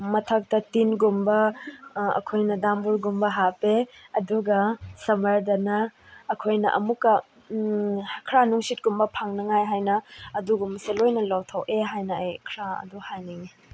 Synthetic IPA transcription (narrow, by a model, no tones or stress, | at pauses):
mɐtʰɐk̚tɐtinɡumbɐ | ɐ̰kʰojnɐdambuɾɡumbɐɦapeɐduɡɐsɐmɐɾdɐnɐː | kʰojnɐ̰ʔɐ̰mukːɐ | kʰɾanuŋsit̚ɡumbɐpʰaŋnɐŋajɦajnɐːduɡumɐselojnɐlawtʰɐwʔeɦajnɐɐjkʰɾaɐ̰duhajniŋi